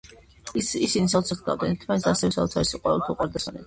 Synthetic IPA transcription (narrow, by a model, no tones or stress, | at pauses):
isinisaut̪sʰaχd̪a̰vd̪ɛ̰nt̪ʰmanɛt̪sʰasɛvɛsaut̪sʰaɾisiqʼwɛ̰vɛlˠt̪ʰuqʼaɾd̪asanɛ̰d̪